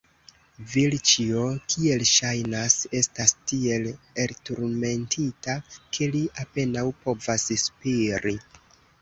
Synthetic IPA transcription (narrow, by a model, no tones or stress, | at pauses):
vilt͡ʃio̞kʰie̞lʃajnase̞stastie̞leltuɾme̞ntʰitakʰe̞liʔape̞nawpo̞vasspiɾi